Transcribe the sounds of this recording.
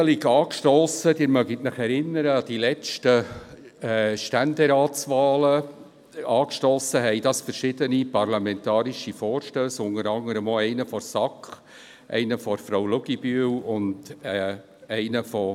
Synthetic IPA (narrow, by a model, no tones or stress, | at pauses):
əlɪkɑːkʃtɔːsəd̥̪ɪːɾmœɡitnɪχɛɾɪnːəɾəɑd̥̪ilɛt͡ʃtə | ʃtænd̪eɾɑːtsʋɑːlə | ɑːkʃtɔːsəɦɛɪd̥ɑsfəɾʃɪdənipɑrlɑmɛnt̪ɑːɾiʃifɔːɾʃtøːsʊnəɾɑŋəɾəmoɛɪnəfɔɾsɑkχ | ʔɛ̰ɪnəfɔɾfɾawlʊɡibyəwʊnd | ɛɪnəfɔ